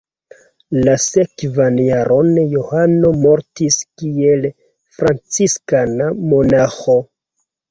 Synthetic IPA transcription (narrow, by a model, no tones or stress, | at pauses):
lase̞kvanjaɾʔo̞njohano̞mo̞ɾtiskie̞l | fɾant͡siskanamo̞naxo̞